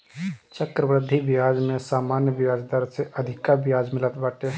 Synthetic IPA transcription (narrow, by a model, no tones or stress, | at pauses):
t͡ʃəkɾəʋɾɪd̪ʱːiʋɪjaːd͡ʒmẽsaːmaːnjəʋɪjaːd͡ʒd̪əɾseʔəd̪ʱɪkabɪjaːd͡ʒmɪlət̪baːʈe